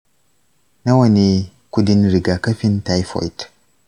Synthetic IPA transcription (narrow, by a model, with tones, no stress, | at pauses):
na˦wɐ˦ni˦ | ku˦di˦nɾi˨ɡa˨kɐ˦fi˦nta˦jfo̰˨jt